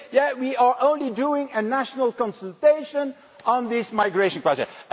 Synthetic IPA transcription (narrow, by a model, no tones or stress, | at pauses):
jæwiə˞ʔõʊ̃nliduɪ̃ŋɨnæʃnəlˠkɔ̃nsəl̩ˠteɪʃə̃n | ə̃nðɪsmaɪɡɹeɪʃə̃nklasə̰